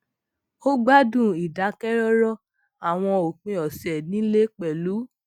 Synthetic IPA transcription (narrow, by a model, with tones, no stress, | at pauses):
o˦ɡ͡ba˦dũ˦˨i˨da˨˦kɛ˦ɾɔ˦ɾɔ˦ | a˨w̃ɔ̃˧o˨k͡pũ˧ɔ˨sɛ˨nĩ˨˦le˦k͡pɛ˨lu˨˦